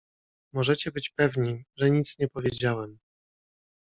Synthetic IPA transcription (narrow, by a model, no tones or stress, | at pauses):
mɔʐɛt͡ɕɛbɘt͡ɕpɛvɲiʐɛɲit̪sɲɛpɔvʲjed͡ʑawɛm